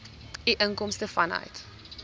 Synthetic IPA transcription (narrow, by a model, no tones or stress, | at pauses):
iʔəŋkɔmstəfɐnœ̰ɥt